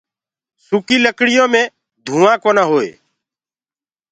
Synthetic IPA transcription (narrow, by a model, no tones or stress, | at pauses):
sʊkiːləkɽɪjõːmẽː | d̪ʱũːãːkoːnaːɦoːḛː